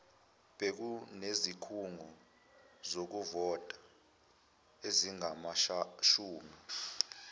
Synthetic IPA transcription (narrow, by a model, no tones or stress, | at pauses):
ɓ̥ek̬unezikʰuŋɔ | zok̬uvɔtʼa | eziŋamaʃuːmi